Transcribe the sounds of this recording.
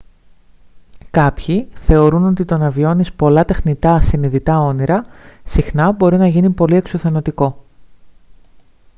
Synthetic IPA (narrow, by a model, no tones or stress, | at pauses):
kɐpçiθe̞o̞ɾuno̞t̪it̪o̞nɐvio̞nispo̞lɐt̪e̞xnit̪ɐsiniðit̪ɐo̞niɾɐsixnɐbo̞ɾinɐʝinipo̞lie̞ksuθe̞no̞t̪iko̞